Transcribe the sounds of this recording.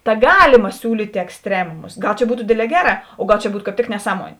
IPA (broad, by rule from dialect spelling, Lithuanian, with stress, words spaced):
tɐ ˈɡɑːlʲɪmɐ ˈsʲuːlʲiːtʲeː ɛksʲˈtʲrʲæːmʊmʊs ˈɡɐlˠ t͡ʃʲɛ ˈbuːtʊ ˈdʲeːdʲˌlʲɛː ˈɡʲæːˌrɑː oː ˈɡɐlˠ t͡ʃʲɛ ˈbuːt kɑːp ˈtʲɪk nʲɛˈsɑːmuɔnʲeː